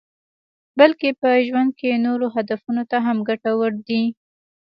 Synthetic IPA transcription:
balkepəʒwand̪̚kenoɾoɦad̪afunot̪aɦamɡaʈawəɾd̪i

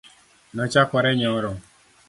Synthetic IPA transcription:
nɔt͡ʃakʷaɾeɲeɔɾɔ

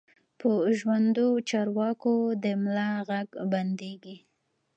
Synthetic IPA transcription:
pəʒwand̪ot͡ʃɑɾwɑkod̪əmlɑɣaɡband̪eɡi

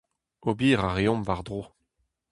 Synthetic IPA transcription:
obiːʁaʁeɔ̃mvaʁd̪ʁoː

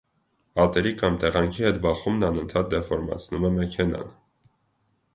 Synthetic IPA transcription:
ɑt̪ɛɾikɑmt̪ɛʁɑŋkʰihɛt̪bɑχumnɑnənt̪ʰɑt̪̚d̪ɛfɔɾmɑ̰t͡sʰnumɛmɛkʰɛnɑ̰n

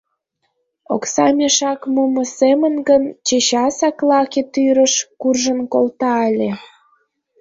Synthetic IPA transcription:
o̰ksɑmʲeʃɑkmumə̆semənɡənt͡ɕeɕɑsɑklɑket̪yɾəʃkurʒənkolt̪ɑɑlʲe

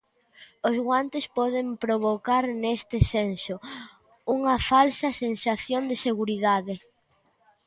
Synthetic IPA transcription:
ʊzɣwant̪espɔðempɾoβ̞okaɾnest̪ɪsenso | uŋɐfalsɐsensaθjond̪eseɣuɾiðaðe

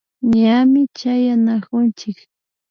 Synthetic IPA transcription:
ɲamɪt͡ʃajanakʊnt͡ʃɪk

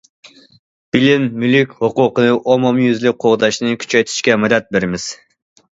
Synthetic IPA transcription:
b̥ɪlɪmːylykʲhoqʊqənɨʔomɑmjyzlɪk̚qʰoʁd̪ɑʃnɨkʲʰy̥t͡ʃʰɛjt̪ʰi̥ʃkʲɛmɛd̪ɛt̪̚beɾɪmɪz̥

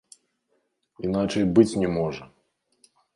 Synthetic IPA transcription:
in̪at͡ʂɐjbɨt͡sʲnʲɛmɔʐɐ

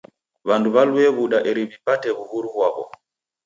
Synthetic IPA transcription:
βanduβaluɛβuɗaʔɛɾiβipatɛβuhuɾuβwaβɔ̰

